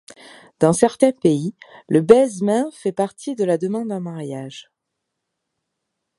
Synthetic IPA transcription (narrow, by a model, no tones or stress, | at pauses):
d̪ɑ̃sɛʁt̪ɛ̃peiləbɛzmɛ̃fɛpaʁt̪ʰid̪əlad̪əmɑ̃d̪ɛ̃maʁjaʒ